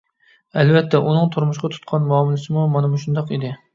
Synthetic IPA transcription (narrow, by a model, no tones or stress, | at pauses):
ɛlvɛt̪ʰːɛʔunɨŋt̪ʰuɾmʊʃqɑt̪ʰu̥t̪̚qʰɑnmɑːmulˠɨsɨmumɑnɛmuʃund̪ɑqid̪ɪ